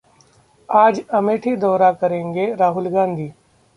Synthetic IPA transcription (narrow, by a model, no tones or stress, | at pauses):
aːd͡ʒɐmeːʈʰid̪ɔːɾakɐɾẽːŋɡeɾaːɦʊlɡãːnd̪ʱiː